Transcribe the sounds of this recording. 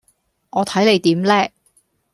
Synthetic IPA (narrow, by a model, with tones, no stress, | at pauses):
ŋɔː˨˧t̪ʰɐ˨˥jle˨˧jt̪iː˨˥mlɛː˥